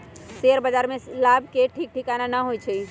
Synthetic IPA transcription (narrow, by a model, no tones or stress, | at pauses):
seəɾbəd͡ʒaɾmẽlab̚ʱkeʈʰiːk̚ʈʰikananaɦojt͡ʃʰɛ